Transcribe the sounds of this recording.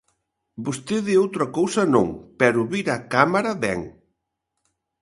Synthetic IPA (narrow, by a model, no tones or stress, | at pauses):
bost̪eðiowt̪ɾɐkowsɐnõ̰ŋpɛɾuβiɾakamaɾɐβɛ̰ŋ